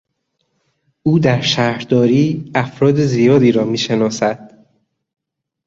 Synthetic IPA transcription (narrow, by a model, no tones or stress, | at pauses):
ʔuːd̪æɾʃæhɾd̪ɒːɾiːæfɾɒːd̪ezijɒːd̪iːɾɒːmiːʃe̞nɒːsæd̪̥